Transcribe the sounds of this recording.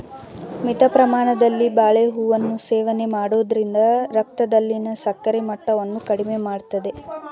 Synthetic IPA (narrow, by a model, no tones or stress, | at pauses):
mit̪ɐpɾɐmaːɳɐd̪ɐlːibaːɭeɦuːʋɐnːuseːʋɐne̞maːɽoːd̪ɐɾind̪ɐɾɐk̚t̪ɐd̪ɐlːinɐsɐkːɐɾimɐʈːɐʋɐnːukɐɽime̞maːɽt̪ɐd̪e̞